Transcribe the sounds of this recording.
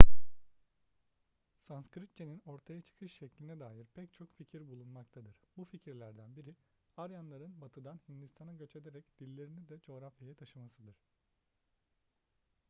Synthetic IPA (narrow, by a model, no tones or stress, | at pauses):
sanskɾip̪̚t͡ʃʰenino̞ɾt̪ʰajat͡ʃʰɯ̥kʰɯʃʃɛclʲinɛd̪aːjiɾpʰɛc̚t͡ʃʰo̞kficʰiɾbulˠunmakt̪ʰad̪ɯɾ̥buficʰiɾlʲæɾd̪ænbiɾi | haɾjanlˠaɾɯnbat̪ʰɯd̪anhind̪ist̪ʰanaɟø̞t͡ʃʰe̞d̪eɾɛcd̪̥ilʲːe̞ɾinid̪ɛd͡ʒo̞ːɾafjajɛt̪ʰaʃamasɯd̪ɯɾ̥